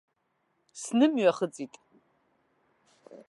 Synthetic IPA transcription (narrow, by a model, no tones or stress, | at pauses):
snɨmɥaχət͡sʼitʼ